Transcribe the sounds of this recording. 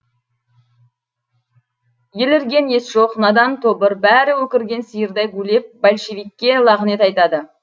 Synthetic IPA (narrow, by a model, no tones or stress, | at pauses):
je̞lɪɾɡʲe̞ne̞sʒo̞qnɑd̪ɑnt̪ʰo̞bəɾbæɾɪwɵkʲɪɾɡʲe̞nsəjəɾd̪ɑjɡule̞p̚balʲʃevijkʲːe̞lˠɑʁəne̞t̪ɑjt̪ɑd̪ə